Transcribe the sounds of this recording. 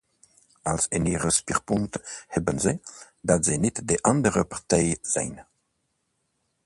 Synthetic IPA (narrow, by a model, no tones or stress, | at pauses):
alsɪ̰niːʁəspiʁpʊŋthɛbənzə | datz̥ɛjnɪtdeʔandəʁəpaʁtɛjz̥ɛ̰jn